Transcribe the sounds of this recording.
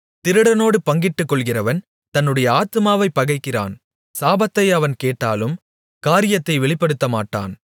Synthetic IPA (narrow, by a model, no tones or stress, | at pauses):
t̪ɪɾɯɽɐnoːɽɯpɐŋɡɪʈːɯkːɔɭɣɪrɐʋɐn | t̪ɐnːɯɽɐjɐaːt̪ɯmaːʋɐɪpːɐɣɐɪkːɪra̰ːn | saːbɐt̪ːɐɪɐʋɐnkeːʈːaːlɯm | kaːɾɪjɐt̪ːɐɪʋɛɭɪpːɐɽɯt̪ːɐmaːʈːa̰ːn